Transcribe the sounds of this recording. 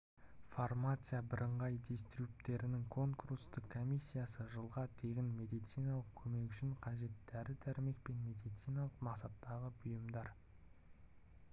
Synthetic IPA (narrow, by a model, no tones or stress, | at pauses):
format̪sɨjabɪɾʔəɴʁɑjd̪est̪ɾupt̪e̞ɾɪnɪŋkʰo̞ŋkuɾust̪ɪqkʰːo̞mijsʲːijasəʒəlˠʁɑt̪ʰe̞ɡʲɪnme̞d̪ijt̪sijnɑlˠəq̚kʲʰɵme̞kʲʏʃɪɴqʰɑʒe̞t̪d̪æɾɪd̪ʰæɾɪme̞k̚pe̞nme̞d̪ijt̪sijnɑlˠəqmɑqsɑt̪ːɑʁəbʊjəmd̪ɑɾ